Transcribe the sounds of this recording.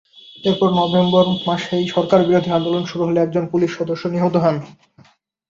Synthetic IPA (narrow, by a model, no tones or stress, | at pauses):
eɾpɔɾnɔbemboɾmaʃejʃɔɾkaɾbiɾod̪ʱiand̪olonʃuɾuɦoleɛk̚d͡ʑonpuliʃːɔd̪oʃːoniɦot̪oɦɔn